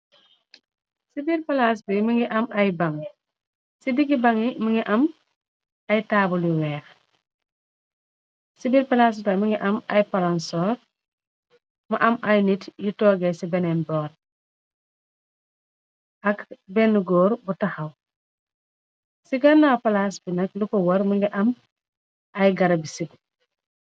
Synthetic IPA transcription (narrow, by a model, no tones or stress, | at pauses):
sibiɾpɐlas̬bimɐŋɡiʔɐmɐjbɐŋ | sidiɡibɐŋimɐŋɡiʔɐm | ɐjtaːbuliwɛːx | sibiɾpɐlas̬tɐjmɐŋɡiʔɐmɐjpɐlansɔːɾ | maʔɐmʔajnitjitɔːɡesibenenbɔːd | ʔɐkbenːuɡoːɾbutɐxɐw | siɡɐnːawpalasbinɐklukowɐɾmuŋɡiʔɐm | ʔɐjɡɐɾbisibi